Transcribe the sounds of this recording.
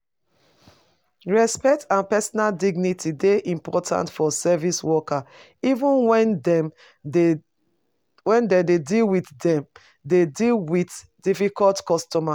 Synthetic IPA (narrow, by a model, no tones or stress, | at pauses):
ɹɛspɛk̚tãnpɛsɔnaldiɡnitʰideʔĩmpɔtʰã̰ntfɔsɛviswɔka | ivũnwɛnm | wɛ̃ndededilwitdɛ̃m | dedilwit | difikɔltkɔstɔma